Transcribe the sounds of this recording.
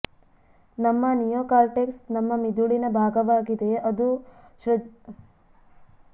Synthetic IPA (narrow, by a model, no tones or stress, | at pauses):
nɐmːɐnijoːkaːlʈeːksnɐmːɐmid̪uɭinɐbʱaːɡɐʋaːɡid̪e̞ʔɐd̪u | ʃɾɐ